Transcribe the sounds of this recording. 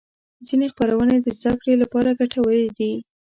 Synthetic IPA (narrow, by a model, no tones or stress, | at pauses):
zinexpaɾawəned̪əzd̪akɽelapɑɾaɡaʈʰawəled̪i